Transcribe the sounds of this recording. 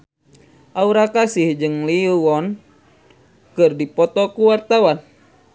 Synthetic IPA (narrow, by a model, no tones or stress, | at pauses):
ʔauɾakasihd͡ʒɨŋliuwɔn | kɨrdipɔt̪ɔkuwart̪awan